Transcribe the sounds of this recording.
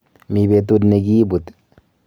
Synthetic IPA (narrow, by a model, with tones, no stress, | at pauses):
mi˨be˨t̪u˦dne˨ɡiː˦bu˨t̪